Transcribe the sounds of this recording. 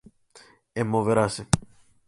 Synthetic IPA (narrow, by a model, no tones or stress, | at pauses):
emːoveɾase